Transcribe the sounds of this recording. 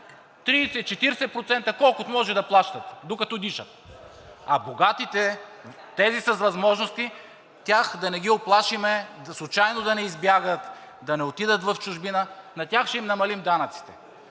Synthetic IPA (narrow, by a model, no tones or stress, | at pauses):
t̪ɾiːsɛt͡ʃɛt̪iɾsɛpɾot̪sɛnt̪ɐkɔlˠkʊt̪omɔʒɛd̪ɐplˠaʃt̪ɐt̪d̪okɐt̪ɔd̪iʃət̪̚ | ɐboɡat̪it̪ɛt̪ɛzisɐsvɐzmɔʒnost̪i | t̪ʲaxd̪ɐnɛɡʲioplˠaʃimɛd̪slˠʊt͡ʃajnod̪ɐnɛizbjaɡət̪ | d̪ɐnɛot̪id̪ət̪vɐft͡ʃʊʒbinənɐt̪ʲaxʃtɛimnɐmɐlimd̪anɐt̪si̥t̪ɛ